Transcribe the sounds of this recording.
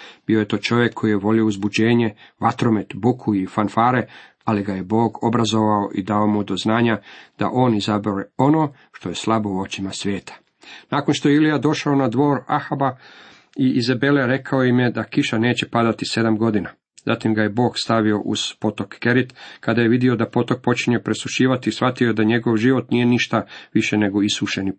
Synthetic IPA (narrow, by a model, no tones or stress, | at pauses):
bio̞je̞t̪o̞ːt͡ʃo̞ʋjekʰːo̞ijeʋo̞lio̞uzbud͡ʑe̞ːɲe̞ʋat̪ɾo̞met̪bukʰuifanfaːɾe̞ | aliɡaje̞bo̞ːɡo̞bɾazo̞ʋaoʔid̪aomud̪o̞znaːɲad̪̥a̰ʔo̞ːnizabɾoeo̞no̞ː | ʃt̪o̞je̞slˠabo̞uot͡ɕimasʋje̞ːt̪ʰḁ | naːko̞nʃt̪o̞jeilijad̪o̞ʃaonad̪ʋo̞ːɾa̰xaba | iizabe̞leɾe̞kʰaojimje̞d̪akiʃane̞ːt͡ɕe̞pad̪at̪ise̞d̪amɡo̞d̪ina | za̰t̪imɡaje̞bo̞ːɡst̪aʋio̞̰ʔṵz̥po̞t̪o̞kːe̞ɾit̪kad̪ajeʋid̪io̞d̪apo̞t̪o̞k̚po̞t͡ʃiɲepɾesuʃiːʋat̪iːsʋat̪iojed̪aɲe̞ɡo̞ʋʒiʋo̞t̪nijeniʃt̪aʋiʃene̞ɡo̞isuʃe̞ni